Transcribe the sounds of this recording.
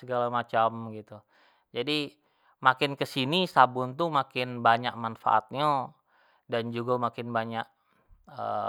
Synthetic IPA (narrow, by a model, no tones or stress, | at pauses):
əɡalamat͡ʃamɡit̪u | d͡ʒadi | makɪnkəsinisabʊnt̪umakɪnbaɲak̚manfa̰ʔa̰t̪̚ɲa | dand͡ʒuɡamakɪnbaɲaʔ̚ | ə̰